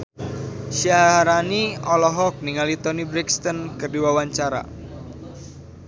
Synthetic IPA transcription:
ʃiaɾaniɔlɔɦɔk̚niŋalit̪ɔnibɾɛkst̪ɔnkɨrdiwawaɲt͡ʃaɾa̰

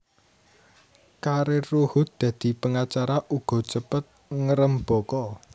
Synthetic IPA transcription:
kaɾeruhʊt̪̚d̪̥ä̤d̪̥i̤pəŋat͡ʃaɾaʔuɡ̥ɔ̤t͡ʃəpət̪̚ŋəɾəmb̥ɔ̤kɔ

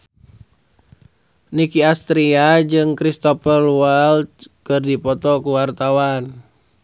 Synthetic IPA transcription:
nikiast̪ɾiad͡ʒɨŋkɾist̪ɔpərwalt̪kɨrdipɔt̪ɔkuwart̪awan

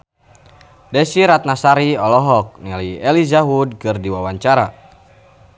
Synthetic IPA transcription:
dɛsiɾat̪̚nasaɾiɔlɔɦɔk̚naliɛlizaɦudkɨrdiwawaɲt͡ʃaɾa

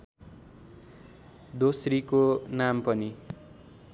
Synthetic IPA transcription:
d̪osrikonampʌni

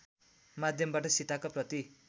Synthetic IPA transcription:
mad̪ʱjʌmbaʈʌsit̪akaprʌt̪i

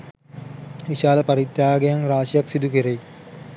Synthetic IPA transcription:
ʋiɕaːlɐpɐɾit̪ːjaːɡejɐŋraːʃjɐksid̪ukiɾej

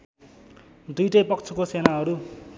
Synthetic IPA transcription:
d̪ujʈʌjpʌkt͡sʰukosenaɦʌɾu

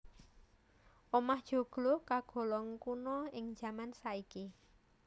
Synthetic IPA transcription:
ʔomahd̥ʒ̥o̤ɡ̥lɔkaɡ̥ɔ̤lɔŋkunɔɪŋd̥d͡ʒ̥a̤mansaiki

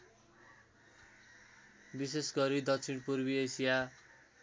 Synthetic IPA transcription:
bisesɡʌɾid̪ʌksʰinpurbiesija

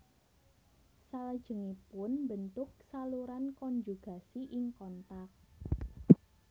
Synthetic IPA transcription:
saləd̥ʒ̥ə̤ŋipʊnmbənt̪ʊk̚saluɾankɔɲd͡ʒuɡ̥a̤siʔɪŋkɔnt̪ak̚

